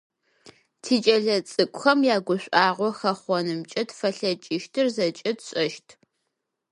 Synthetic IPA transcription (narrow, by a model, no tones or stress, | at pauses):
tʰiːt͡ʃʼɐɮɐt͡sʼɨkʷʼxɐmjaːɡʷʊɕʷʼaːʁʷɔxɐχʷɔnɨmt͡ʃʼɐtfɐɬɐt͡ʃʼɪʃtʰɨrzɐt͡ʃʼɐtʰɕʼɐʃtʰ